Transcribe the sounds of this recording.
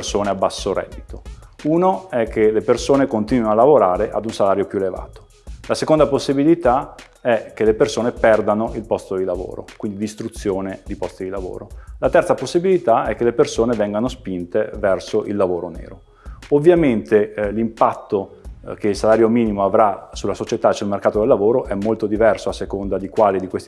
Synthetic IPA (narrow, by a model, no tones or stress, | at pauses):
rsoːneabːasːoɾɛ̰d̪ːit̪ouːnoɛk̟ːelepersoːnekont̪inwianalːavoɾaːɾeʔad̪unsalaːɾjopjueleva̰ːt̪o̥ | lasekond̪aposːibilit̪a | ɛk̟ːelepersoːnepɛrd̪anoilpɔst̪od̪ilavo̰ːɾo̰kwind̪ilist̪ɾut̪sːjoːned̪ipɔst̪id̪ilavo̰ːɾolat̪ɛrt̪saposːibilit̪aɛkːelepersoːnevɛŋɡanospint̪evɛrsoʔilːavoːɾonḛːɾo | ovːjament̪elimpat̪ːok̟eilsalaːɾjomiːnimoavɾasulːasot͡ʃet̪asulmerkaːt̪od̪elːavoːɾoʔɛmːolt̪od̪ivɛrsoasːekond̪ad̪ikwaːlid̪ikwest̪